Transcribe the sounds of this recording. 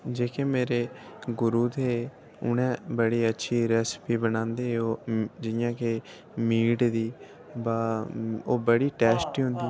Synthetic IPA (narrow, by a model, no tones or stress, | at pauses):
d͡ʒeːkeːmeːɾeːɡʊɾuːt̪eː | ʊnẽːbəɽiːətːʃʰiːɾɛːspiːbənãːnd̪eːod͡ʒɪjãːke | miːʈd̪iː | baːoːbəɽiːʈɛːsʈiːɦʊ̃nd̪iː